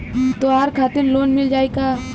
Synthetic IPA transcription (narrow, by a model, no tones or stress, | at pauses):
t̪oaːɾkʰaːt̪ɪɾloːnmɪld͡ʒaːekaː